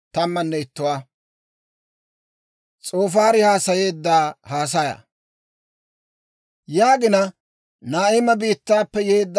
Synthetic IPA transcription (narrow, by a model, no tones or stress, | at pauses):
t̪ɐmːɐnːɛɪt̪ːʊwaː | t͡sʼo̞ːfaːɾɪhaːsɐje̞ːd̪ːaːhaːs̬ɐjɐ̰ | jaːɡɪnɐ | naːɪmɐbiːt̪ːaːpːɛjeːd̪ː